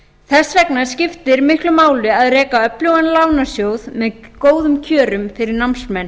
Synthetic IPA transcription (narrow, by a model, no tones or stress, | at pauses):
θɛsvɛknaɾ̥scɪft̪ɪɾmɪhklʏmaːwlɪaðrɛːkaœpljowanlaːwnasjowðmɛðkoːwðʏmcʰœːɾʏmfɪɾɪɾnamsmɛnː